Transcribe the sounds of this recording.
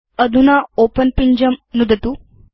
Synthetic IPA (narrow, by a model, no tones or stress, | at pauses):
əd̪ʱunaopənpiɲd͡ʑəmnud̪ət̪u